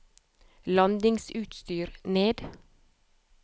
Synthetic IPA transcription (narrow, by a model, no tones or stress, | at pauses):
lɑnd̪ɪŋsʉːt̪st̪yːɾneːd̪